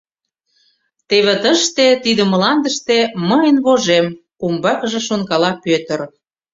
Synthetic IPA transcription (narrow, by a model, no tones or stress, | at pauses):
t̪eβĕt̪əʃt̪et̪id̪əməlɑnd̪əʃt̪eməjənβoʒem | umbɑkəʒĕʃonkɑlɑpøt̪ə̆ɾ